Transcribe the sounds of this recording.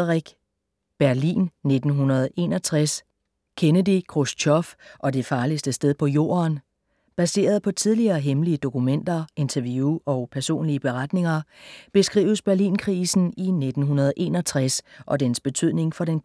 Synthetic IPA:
ʁiɡ̥ | b̥æɐlḭːnːe̝d̥n̩ɦunɐð̞ˠe̝ːnɒt͡sʰʁas | kʰenədikʰʁust͡ɕʰɒfʔɒ̽d̥e̝fɑ̈ːlisd̥əsd̥eðˠpʰɒ̽jo̝̰ːɐn | b̥æse̝̰ːɐð̞ˠpʰɒ̽t͡sʰið̞ˠliɐːɦemliəd̥o̝kumen̰d̥ɐe̝nt͡sʰɐʋjuɒ̽ʊpʰæɐso̝̰ːnliəb̥e̝ʁad̥ne̝ŋɐb̥e̝sɡ̥ʁḭːʊəsb̥æɐlḭːnkʰʁiːsn̩ine̝d̥n̩ɦunɐð̞ˠʔe̝̰ːnɒ̽t͡sʰʁasʔɒ̽d̥ensb̥e̝t͡sʰy̰ð̰ˠne̝ŋfɒ̽ɾen

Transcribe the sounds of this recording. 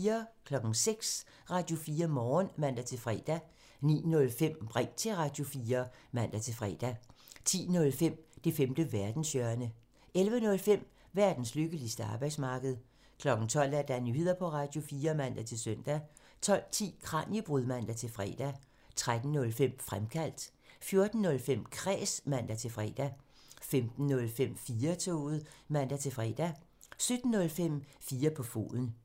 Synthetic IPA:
ɐkʰlɒ̽ɡ̥n̩seɡ̥s | ʁɑ̈ːd̥jo̝fiːɐmɒːnmæn̰d̥æt͡sʰe̝fʁɛ̰ːd̥æ | nḭːnɔ̽lfem̰b̥ʁɛŋ̰t͡sʰe̝lʁɑ̈d̥jo̝fiːɐmæn̰d̥æt͡sʰe̝lfʁɛ̰ːd̥æt͡sʰḭːnɔ̽lfem̰d̥e̝femd̥əʋæɐd̥n̩sjœɐnə | elʋənɔ̽lfem̰ | ʋæɐd̥n̩sløɡ̥əlisd̥əɑ̈ːb̥ɑ̈ɪd̥smɑ̈ːɡ̥əð̞̩ˠ | kʰlɒ̽ɡ̥n̩t͡sʰɒ̽l̰d̥æɐd̥ænyhe̝ð̰ˠɐpʰɒ̽ʁɑ̈ːd̥jo̝fiːɐmæn̰d̥æt͡sʰe̝lsøn̰d̥æ | t͡sʰɒ̽l̰t͡sʰḭːkʰʁɑ̈njəb̥ʁuðˠmæn̰d̥æt͡sʰe̝lfʁɛ̰ːd̥æ | t͡sʰʁad̥n̩ːɔ̽lfem̰fʁamkʰæl̰d̥ | fjo̝ɐd̥n̩ːɔ̽lfem̰kʰʁɛ̰ːsmæn̰d̥æt͡sʰe̝lfʁɛ̰d̥æfemd̥n̩ːɔlfem̰fiːɐt͡sʰoːð̩ˠmæn̰d̥æt͡sʰe̝fʁɛːd̥æsød̥n̩ːɔ̽lfem̰fiːɐpʰɒ̽fo̝̰ːðˠn̩

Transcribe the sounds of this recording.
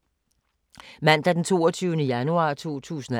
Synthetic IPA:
mæn̰d̥æɐd̥ent͡sʰo̝̰ːɐt͡sʰyːʊnəjænuɑ̰̈t͡sʰo̝̰ːt͡sʰṵːsən̩æ

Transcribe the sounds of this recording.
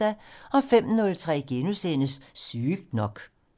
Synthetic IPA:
æɒ̽fem̰nɔ̽lt͡sʰʁɛ̰ːɡ̥e̝nusenəsːyːɡ̥̚d̥nɒ̽ɡ̥

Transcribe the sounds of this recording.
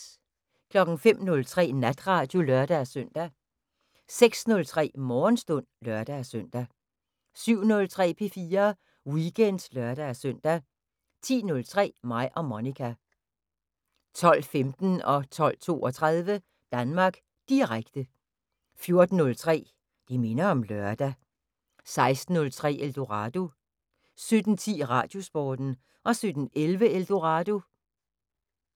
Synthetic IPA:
kʰlɒ̽ɡ̥n̩fem̰nɔ̽lt͡sʰʁɛ̰ːnæd̥ʁɑ̈d̥jo̝lœɐd̥æsøn̰d̥æ | seɡ̥snɔ̽lt͡sʰʁɛ̰ːmɒːnsd̥ɔn̰lɶɐd̥æsøn̰d̥æ | syʊ̰nɔ̽lt͡sʰʁɛ̰ːpʰe̝fiːɐ | wiɡ̥ʰen̰d̥lɶɐɾ̥æsœn̰d̥æ | t͡sʰḭːnɔ̽lt͡sʰʁɛ̰ːmɑ̈ɪ̰ʔɒ̽monikʰæ | t͡sʰɒ̽l̰femd̥n̩ɒ̽t͡sʰɒ̽l̰t͡sʰo̝̰ːɒt͡sʰʁað̞ˠʋə | d̥ænmɑ̈ːɡ̥ | d̥iʁaɡ̥d̥ə | fjo̝ɐd̥n̩ːɔ̽lt͡sʰʁɛ̰ː | d̥ime̝nɐɒ̽mlɶɐd̥æ | sɑ̈ɪsd̥n̩ːɔ̽lt͡sʰʁɛ̰ːʔeld̥o̝ʁɑ̈d̥o̝ | sød̥n̩t͡sʰḭːʁɑ̰̈d̥jo̝sb̥ɒːd̥n̩ | ʔɒ̽sød̥n̩elʋəeld̥o̝ʁɑ̈d̥o̝

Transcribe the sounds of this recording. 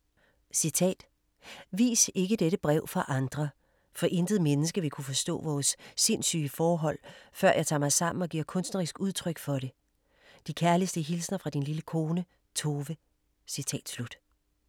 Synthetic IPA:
sit͡sʰɛ̰ːd̥ | ʋḭːse̝ɡ̥əd̥eɾəb̥ʁɛʊ̰fɑ̈ʔɑ̈nd̥ʁɐ | fɒ̽ʔe̝nd̥ð̞̩ˠmenəsɡ̥əʋikʰufɒ̽sd̥ɔ̰̽ːʋɒːsːe̝̰nsy̰ːəfɒːɦɒ̽l̰fɶɐ̰jäɪt͡sʰɑ̰̈ːmɑ̈ɪsɑ̈m̰n̩ɒ̽ɡ̥iɐ̰kʰɔ̽nsd̥nɐʁisɡ̥uð̞ˠt͡sʰʁœɡ̥fɒ̽ɾe̝ | d̥ikʰæɐlisd̥əɦilsnɐfʁɑ̈d̥inliləkʰo̝ːnə | t͡sʰo̝ːʋə | sit͡sʰɛ̰ːd̥slud̥

